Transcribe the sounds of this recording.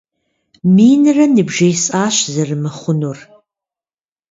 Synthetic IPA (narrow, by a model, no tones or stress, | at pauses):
miːnɨrɐnɨbʒɐjsʼaːɕzɐrɨmɨχʷʊnur